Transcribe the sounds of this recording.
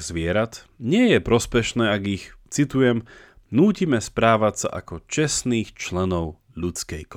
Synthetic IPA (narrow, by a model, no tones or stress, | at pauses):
zʋɪɛɾat̪ | ɲɪɛjɛpɾɔspɛʃnɛːaɡixt͡sit̪ujɛm | nuːcimɛspɾaːʋacsa̰ʔa̰kɔt͡ʃɛsniːxt͡ʃlɛnɔʊ | ʎut͡skɛjk